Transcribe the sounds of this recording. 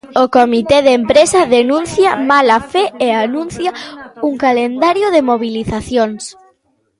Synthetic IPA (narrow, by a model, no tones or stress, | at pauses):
okomit̪eðempɾesɐðenũn̟θjɐmalafeeanũn̟θjɐuŋkalend̪aɾjʊðemoβiliθaθjoŋs